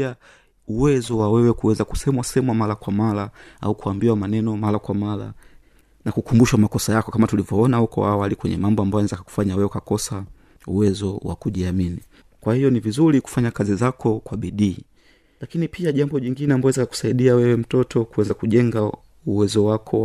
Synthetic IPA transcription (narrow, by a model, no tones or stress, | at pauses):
a | uwɛzɔwawɛwɛkuwɛzaku̥sɛmwasɛmwamalakwamalaa̰ukuambiwamanɛnɔmalakwamala̰ | nakukumbuʃwamakɔsajakɔkamatulivjɔɔnahukɔ̰a̰walikwɛɲɛ̰mambɔambajnɛzakku̥faɲawɛwɛkakɔsa | ṵwɛzɔwa̰kuʄiamini | kwahijɔnivizuliku̥faɲakazizakʰɔkwaɓiɗiː | lakinipʰiaʄambɔʄiŋɡinɛambɔwɛzakaku̥saiɗiawɛwɛm̩tɔtɔkuwɛzakuʄɛŋɡa | uwɛzɔwakʰɔ